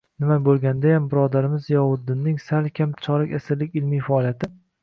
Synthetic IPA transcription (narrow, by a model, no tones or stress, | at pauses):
nɪmabolˠɡʲand̪ajambɪɾɒd̪aɾɪmɪzjɒwʊd̪ːɪnːɪŋsalkʲʰamt͡ʃʰɒɾɪkʲasɪɾlɪkʲɪlmijfaɒlˠijat̪ʰɪ